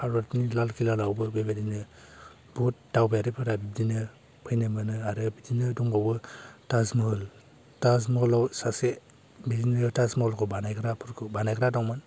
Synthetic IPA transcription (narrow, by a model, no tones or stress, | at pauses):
aɾuatnilalkilalawbɯbebadinɯ | but̚dawbeaɾɯpʰɯɾabibdinɯ | pʰɯjnɯmɯnɯaɾɯbidinɯduŋbawbɯtazmɯl | tazmɔlawsase | bidinɯtasmɔlkʰɯbanajkɾapʰɯɾkʰɯbanajɡɾadawman